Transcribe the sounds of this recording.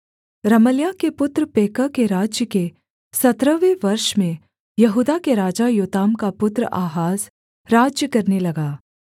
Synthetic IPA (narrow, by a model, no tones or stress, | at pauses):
ɾɐməljakepʊt̪ɾpeːkəkeɾaːd͡ʒjəke | sɐt̪ɾəʋeʋɐɾʃmẽ | jɐɦuːd̪akeɾaːd͡ʒajoːt̪aːmkapʊt̪ɾə̰ʔaːɦaːz | ɾaːd͡ʒjəkɐɾnelɐɡaː